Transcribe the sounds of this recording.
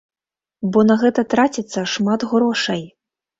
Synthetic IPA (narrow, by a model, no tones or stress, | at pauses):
bɔnɐɣɛt̪ɐt̪ɾat͡sʲit̪sːɐʂmat̪ɣɾɔʂɐj